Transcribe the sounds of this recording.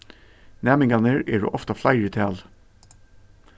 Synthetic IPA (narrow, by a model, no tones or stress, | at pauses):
næmɪŋɑnəɹḛːɖo̰ːʔɔft̪ɑflæɪɹit̪ʰæːl